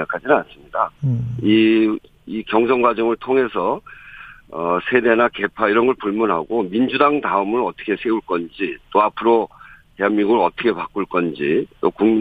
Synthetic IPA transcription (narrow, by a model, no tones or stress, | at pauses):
akʰad͡ʑinɯnans͈ɯmɲidai | ikjʌŋsʰʌŋɡwad͡ʑʌŋɯɭtʰoŋe̞sʰʌ | ʌsʰe̞de̞nake̞pʰaiɾʌnɡʌɭpuɭmunɦaɡomind͡ʑudaŋtaɯmɯɾʌt͈ʰʌ̥kʰe̞sʰe̞uɭk͈ʌnd͡ʑit͈oapʰɯɾoteaŋmiɡuɯɭʌt͈ʌkʰe̞pak͈uɭk͈ʌnd͡ʑit͈okuŋm